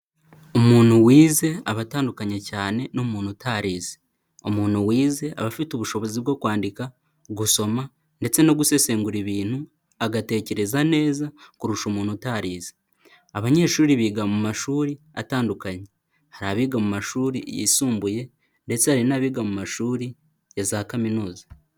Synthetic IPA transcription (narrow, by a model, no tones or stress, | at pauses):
omuːn̥huwiːze̞aβataːndukaɲacaːne̞no̞muːnhutʰaɾiːze̥ | o̞muːn̥huwiːze̞ʔa̰βafituβuʃo̞βo̞ziβɡo̞ːkwaːndika | ɡuso̞ma | nde̞t͡se̞no̞ɡuse̞se̞ːŋɡuɾiβiːn̥hu | aɡate̞ːce̞ɾe̞zane̞ːzakuɾuʃomuːnhutaːɾiːze | aβaɲe̞ːʃuːɾiβiɡamumaʃuːɾi | a̰taːndukaɲe | haɾaβiːɡamumaʃuːɾḭjḭsuːmbuje̞ | nde̞t͡sehaɾinaβiɡamumaʃuːɾi | jazaːkaminuːza